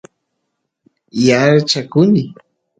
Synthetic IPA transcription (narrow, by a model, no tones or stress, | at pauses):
jaɾt͡ʃakʊnɪ